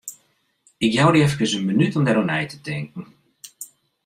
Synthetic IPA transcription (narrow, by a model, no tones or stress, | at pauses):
ɪkjawdiɛfkəsənmənytɔmdɛɾonɛjtə̥tʰɪŋkn̩